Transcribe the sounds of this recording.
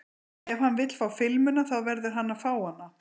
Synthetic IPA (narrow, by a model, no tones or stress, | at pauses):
ɛv̥hanːvɪt̪l̥faːwfɪlmʏnaθaðvɛɾðʏɾ̥ɦanːafaːwhanːa